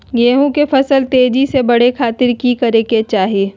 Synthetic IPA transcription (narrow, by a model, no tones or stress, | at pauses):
jeːɦũkefɐsəlt̪eːd͡ʒisebɐɽekʰaːt̪ɪɾkikɐɾeket͡ʃaːɦieː